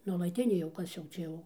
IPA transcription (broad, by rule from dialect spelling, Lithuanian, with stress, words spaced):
nuɔlˠɐˈtʲɪnʲeː jɛʊ ˈkɐs jɛʊ ˈt͡ʃʲɛ jɛʊ